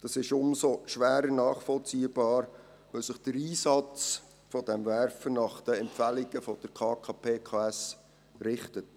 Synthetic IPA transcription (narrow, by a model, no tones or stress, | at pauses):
d̥ɑsɪʃʊmsoʃʋæːɾənɑːχfɔlt͡siːb̥ɑːɾ | ʋœsɪχd̥əɾiːsɑt͡s | fɔd̥ɛmvæɾfənɑχd̥əɛmpfælɪɡ̥əfɔd̥əɾkʰɑːkʰɑpʰeːkʰɑːæs | rɪχtət̚